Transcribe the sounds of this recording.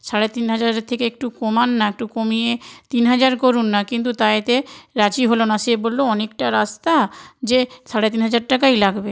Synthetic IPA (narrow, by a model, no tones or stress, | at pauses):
ʃaɽet̪inɦad͡ʑaɾet̪ʰekeek̚ʈukomanːaek̚ʈukomijet̪inɦad͡ʑaɾkoɾunːakint̪̬ut̪aet̪eɾad͡ʑiɦolonaʃebolːoɔnek̚ʈaɾast̪ad͡ʑeʃaɽet̪inɦad͡ʑaɾʈakajlaɡbe